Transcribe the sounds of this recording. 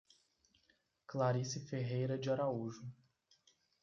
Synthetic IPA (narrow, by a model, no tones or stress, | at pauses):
klaɾisɪfeɦejɾɐd͡ʒɪaɾauʒʊ